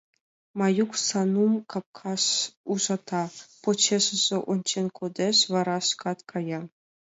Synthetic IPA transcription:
mɑjuksɑnumkɑp̚kʰɑsuʒɑt̪ʰɑpot͡ɕeʂɘ̆zĕʔont͡ɕenʲkʰod̪eʂʋɑɾɑʂkɑt̪kʰɑjɑ

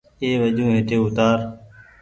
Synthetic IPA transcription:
eːʋəʄũːɦɪt̪eːʊt̪aːɾ

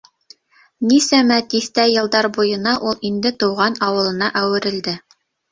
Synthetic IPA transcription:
nisæmæt̪iθt̪æjɤ̆lˠd̪ɑɾbujɤ̆nɑʔulˠind̪ɘt̪ɤ̆wʁɑnɑwɤ̆lˠɤ̆nɑʔæwɘ̆ɾɘ̆ld̪ɘ

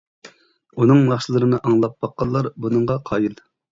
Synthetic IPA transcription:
unɨŋmɑχʃɨlˠɨɾɨnɨʔɑŋlˠɑp̚bɑqːɑlˠːɑɾbunɨɴʁɑqʰɑːjilˠ

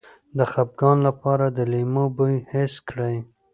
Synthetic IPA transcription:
d̪əxap̚ɡɑnlapɑɾad̪əlimobəjheskɽaj

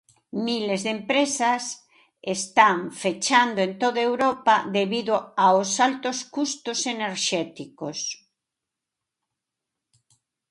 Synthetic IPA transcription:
milezðempɾesas | est̪aŋfet͡ʃand̪oent̪oðaewɾopaðeβiðoaosalt̪oskust̪ʊseneɾʃɛt̪ikos

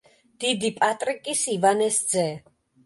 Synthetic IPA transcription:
d̪̥id̪ipʼat̪ʼɾikʼisivanɛsd̪zɛ

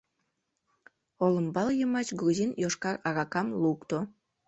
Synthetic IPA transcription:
olə̆mbɑljəmɑt͡ɕɡruzinjoʃkɑrɑɾɑkɑmlukt̪o

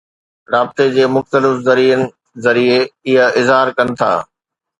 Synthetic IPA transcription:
ɾaːbt̪ed͡ʑeːmʊxt̪əlɪfzɐɾiːənɪ̆ | zɐɾieɪɦəɪzɦaːɾkɐnɪ̆t̪ʰa̰ː

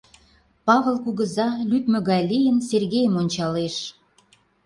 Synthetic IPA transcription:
pɑβə̆lˠkuɣə̆zɑlyt̪mə̆ɣɑjlijənserɣejəmonʲt͡ɕɑleʃ

